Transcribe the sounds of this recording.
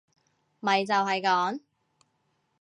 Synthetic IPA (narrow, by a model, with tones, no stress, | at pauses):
mɐ˨˩jt͡sɐ˨wɦɐ˨jkɔː˨˥ŋ